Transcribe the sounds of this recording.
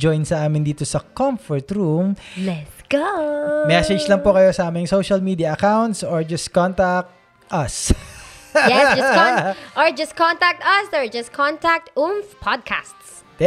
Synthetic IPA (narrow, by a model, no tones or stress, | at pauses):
d͡ʒɔjnsɐʔaːmɪnd̪iːt̪osɐkɔmfɔɹt̪ɾumlɛt̪sɡ̥omɛsɛd͡ʒlɐŋpokɐjosɐʔaːmɪŋsowʃɐlmiːd̪iɐʔɐkawnt̪soɹd͡ʒɐskɔnt̪ak̚t̪̚ | ʔɐs | jɛ | ʔɔɹd͡ʒɐskɔnt̪ak̚t̪ɐsɔɹd͡ʒɐskʰɔ̃nt̪ak̚t̪ʔumfpʰad̪̚kʰa̰st̪s